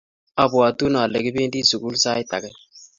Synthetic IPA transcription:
a˨bwa˨tu˦na˨lɛ˨ki˦be˦ndi˦su˨ɡu˦lsa˦jta̰˨kɛ˦

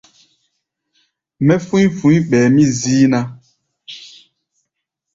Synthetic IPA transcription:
mɛ˦fũ˦jfũ˦i˦ɓɛː˨mĩ˦ziː˦na˦

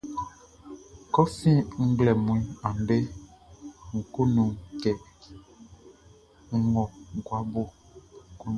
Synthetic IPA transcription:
kɔ˦fĩ˦ŋ̩˦ɡ͡blɛ˨mũ˨ĩ˦ã˨n˨de˦ | ŋ̩˨ku˦nũ˨kɛ˨ | ŋ̩˦˨ŋɔ˨ɡwa˦bo˦ | ŋ̩˨ku˦

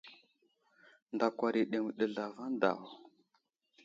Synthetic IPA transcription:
nda˨kʷa˨ɾi˨ɗe˨ŋ˨ɗə˨ɮa˨va˦n˦da̰˨w

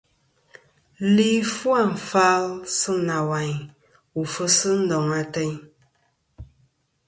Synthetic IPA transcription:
li˦fwa˦˨ɱ̩˨fa˦lsɨ˦na˨wa˨ɲ | u˨fə˦sɨ˦n̩˦dɔ˨ŋa˨tɛ˦ɲ

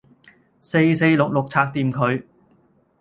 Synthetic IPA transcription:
se˧jse˧jlʊ˨k̚lʊ˨k̚t͡sʰaː˧˥k̚t̪iː˨˧mkʰɵ˨˧ɥ

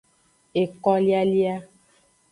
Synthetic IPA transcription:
e˨kɔ˦li˦a˦li˦a˦

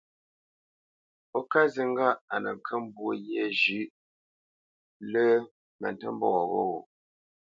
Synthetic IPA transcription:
o˦ka˦zi˦ŋ˦ɡa˦ʔa˨nə˨ŋ˨kʰə˦m˦bwo˦˨je˦˨d͡ʒʉ˦ʔ | lə˦ | mə̰˨ntə˦m˦bɔ˦˨ɣo̰˦o˨

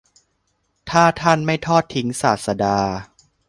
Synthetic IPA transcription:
t̪ʰaː˥˩t̪ʰa˥˩nma˥˩jt̪ʰɔː˥˩t̪ʰːi˦˥ŋsaː˨˩t̪̚sa˧daː˧

